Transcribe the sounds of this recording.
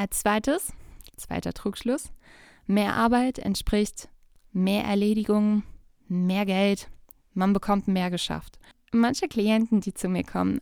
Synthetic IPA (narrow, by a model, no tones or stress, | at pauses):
ʔat͡sv̥aɪtəst͡sv̥a̰ɪtɐ̰tʁ̥uːkʃlʊs | meːɐʔa̰ɐbaɪtɛ̰ntʃpʁ̥ɪçt | meːɐʔɛ̰ɐleːɾɪɡʊŋ | meːɐɡɛlt | manbəkʰɔmtmeːɐɡəʃa̰ft | mançəkl̥iɛntn̩diːt͡sumiːɐkʰɔ̰mən